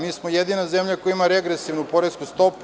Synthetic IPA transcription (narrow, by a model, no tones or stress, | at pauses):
miːsmojed̪inazemʎakojimaɾeɡɾesiʋnupo̞ɾeskust̪o̞p